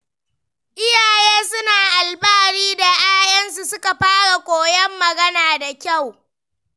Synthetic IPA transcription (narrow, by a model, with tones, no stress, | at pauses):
ʔɪ˦jaː˨jeː˦sʊ˦naː˨ʔa˨lbaː˦ɽiː˦da˨ʔaː˦jɐ˦nsu˨sʊ˦ka˨ɸaː˦ɽa˨kʷoː˨jɛ˦mːɐ˨ɡɐ˦naː˨da˨kʲa˦˨w